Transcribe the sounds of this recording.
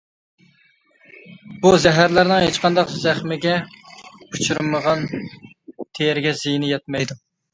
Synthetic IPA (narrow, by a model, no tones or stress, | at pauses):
b̥uzæɦæɾlæɾnɪŋhet͡ʃqʰɑnd̪ɑqzæχmɪɡʲɛ | ut͡ʃʰyɾmːəʁɑn | t̪ʰejɛɾɪɡʲɛzijnɪjɛt̪̚mɛjd̪u